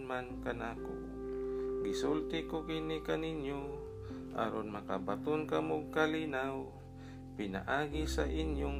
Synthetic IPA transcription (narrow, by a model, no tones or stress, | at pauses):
nmankanaːko̰ | ɡɪsult̪ɪkokinikaninjo | ʔa̰ɾonmakabat̪onkamoɡ̚kalinaw | pɪna̰ʔaːɡisaʔinjoŋ